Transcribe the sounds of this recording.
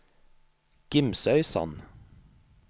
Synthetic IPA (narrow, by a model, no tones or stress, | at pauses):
ɡ̥ɪmsœʏsɑ̰n